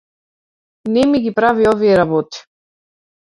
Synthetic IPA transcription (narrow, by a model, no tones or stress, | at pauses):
nɛmiɡipɾaviɔviɛɾabɔt̪i̥